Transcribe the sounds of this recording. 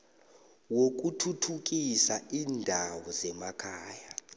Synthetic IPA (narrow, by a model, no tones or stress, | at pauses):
wok̬ʼutʰutʰuk̬ʼisaiːndʱawɔzɛmakʰaːja